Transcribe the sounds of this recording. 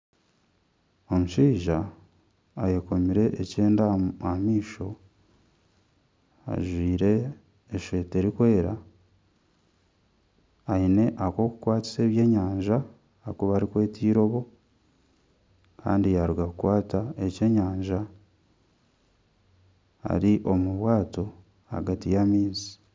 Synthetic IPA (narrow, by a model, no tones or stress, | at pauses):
o̞muʃiːʒa | ajeko̞miɾe̞ʔːceːndaamiːʃo̞ | a̰ʒwiːɾe̞ː | ʃe̞ːte̞ɾikwe̞ːɾa | aine̞ʔako̞kukwaːti̥se̞ːβje̞ːɲaːɲʒa | akoβaɾikwe̞ːtʰiːɾo̞βo̞ | ka̰ːndijaɾuɡakukwaːtae̞ce̞ɲaːɲʒa | ha̰ɾiʔo̞muβwaːto̞ | a̰ɡatijamiːnzi̥